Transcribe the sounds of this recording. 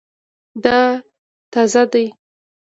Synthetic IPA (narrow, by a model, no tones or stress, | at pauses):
d̪ɑ | t̪ɑzad̪aj